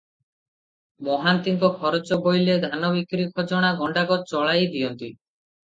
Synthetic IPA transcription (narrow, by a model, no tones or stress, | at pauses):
mɔɦant̪iŋkɔkʰɔɾot͡ʃɔbojled̪ʱanɔbikɾikʰɔd͡ʒɔɽ̃aɡʱɔɳɖaɡɔt̚t͡ʃɔɭajd̪ijɔnt̪i